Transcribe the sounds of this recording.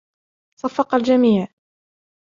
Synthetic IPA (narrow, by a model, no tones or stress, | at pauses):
sˤɑfːɑqald͡ʒamiːʕ